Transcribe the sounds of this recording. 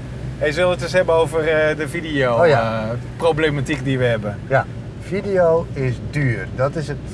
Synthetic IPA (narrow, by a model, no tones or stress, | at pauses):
hejs̬ʋɪlˠətəsɦhɛbəowvərdəfidiow | problematik̚diʋəɦɛbə | fidijowɪsdyːərdɔtɪsət